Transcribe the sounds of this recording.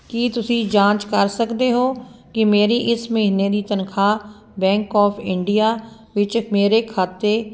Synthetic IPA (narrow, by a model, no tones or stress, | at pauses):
kit̪ʊsĩːd͡ʒãːt͡ʃkəɾsəkd̪eːɦoːkɪmeːɾiːʔɪsməɦineːd̪iːt̪ənkʰaː | bɛ̃ːŋkɔːpʰɪɳɖijaː | ʋɪt͡ʃmeːɾeːkʰaːt̪eː